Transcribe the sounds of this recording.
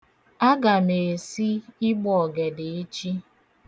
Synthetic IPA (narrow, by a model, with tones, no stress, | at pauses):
a˦ɡa˨me˨si˦ɪ˦ɡ͡bɔ˨ɡe˨de˨e˦t͡ʃi˦